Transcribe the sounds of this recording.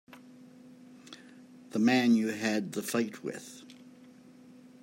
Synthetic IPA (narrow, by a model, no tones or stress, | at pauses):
ðəmæ̃njɨɨd̪̚ðəfaɪt̚ʰwɪ̰ð̥